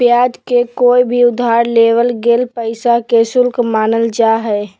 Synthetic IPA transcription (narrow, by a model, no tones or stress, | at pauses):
pjaːd͡ʒ̪kekoːibʱiʊd̪ʱːaːɾleːʋəlɡeːlpəɪsakesʊlkmaːnəld͡ʒaːɦɛː